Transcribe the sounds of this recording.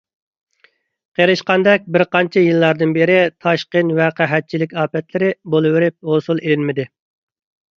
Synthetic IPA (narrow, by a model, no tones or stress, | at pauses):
qʰeɾɨʃqɑnd̪ɛk̚ʲbɪɾqɑnt͡ʃʰɛjɨlˠːɑɾd̪ɨnbeɾɪt̪ʰɑʃqənwɛqʰæɦɛt̪̚t͡ʃʰilɪkʲɑːpɛt̪lɪɾɪbolˠɨwɪɾɪp̚hosulˠelɪnmɪd̪ɪ